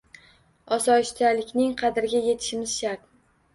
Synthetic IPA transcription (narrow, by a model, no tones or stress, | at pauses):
ɒsɒɪʃt̪ʰalɪkʲnɪŋqʰɑd̪ɪɾɡʲaje̞t̪ʰɪ̥ʃɪmɪz̥ʃaɾt̪